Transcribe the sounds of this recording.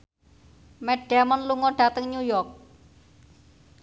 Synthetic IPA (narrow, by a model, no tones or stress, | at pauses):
mɛɖ̥amɔnluŋɔɖ̥a̤t̪əŋɲujɔrk̚